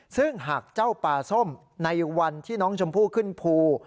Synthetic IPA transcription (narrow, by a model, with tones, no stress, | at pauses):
sɯ˥˩ŋɦaː˨˩k̚t͡ɕa˥˩wpaː˧so˥˩m | na˧jwa˧nt̪ʰiː˥˩nɔː˦˥ŋt͡ɕʰo˧mpʰuː˥˩kʰɯ˥˩npʰuː˧